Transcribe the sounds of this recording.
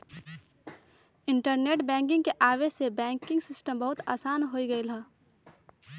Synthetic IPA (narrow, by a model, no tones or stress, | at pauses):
ɪ̃ɳʈəɾneːʈbɛ̃ːŋk̬ɪ̃ŋɡkeʔaːʋesebɛ̃ːŋkɪ̃ŋɡsɪsʈəmbɐɦʊt̪a̰ːsaːnɦoːiɡɐilaː